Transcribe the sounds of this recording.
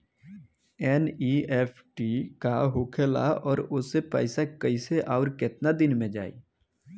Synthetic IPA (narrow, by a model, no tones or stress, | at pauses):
ɛːniɛːpʰʈikaɦʊkʰela̰ɔːɾʊsepɛ̰ːɪsakəiseʔɔːɾkɪt̪nad̪ɪnmẽd͡ʒa̰ːḭː